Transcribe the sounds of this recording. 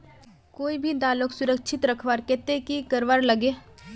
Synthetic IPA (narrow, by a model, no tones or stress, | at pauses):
koːibʱid̪aːloksʊɾəkʃʰɪt̪ɾəkʰʋaɾkɛːt̪ekikəɾʋaɾləɡeː